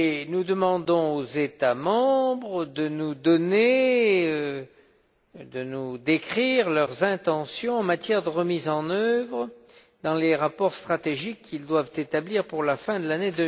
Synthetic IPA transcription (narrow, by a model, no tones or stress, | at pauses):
nud̪əmɑ̃d̪ɔ̃ozet̪amɑ̃bʁəd̪ənud̪ɔneø | d̪ənud̪ekχiʁlœʁzɛ̃t̪ɑ̃sjɔ̃ɑ̃mat̪jɛʁd̪əʁəmizɑ̃nœvʁə | d̪ɑ̃leʁapɔʁst̪χat̪eʒikːild̪wavt̪et̪abliʁpuʁlafɛ̃d̪əlaned̪əm